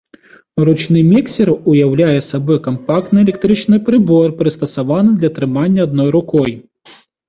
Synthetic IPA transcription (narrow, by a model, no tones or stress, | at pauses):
ɾut͡ʃnɪmʲiksʲɪɾʊjɐwlʲajɛsɐbɔjkɐmpɑkt̪nɨelʲɛk̚t̪ɾɪt͡ʃnɪjpɾɪbɔrpɾɪst̪ɐsɐʋɑnɪd̪lʲɐt̪ɾɪmɑnʲːɐːd̪̚nɔjɾʊkɔj